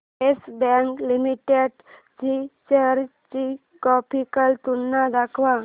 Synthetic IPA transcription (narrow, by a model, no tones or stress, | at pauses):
esbɛ̃ŋklimiʈeɖ | t͡ɕit͡ɕəɾt͡ɕi | kɔpʰikəlt̪unːad̪akʰʋa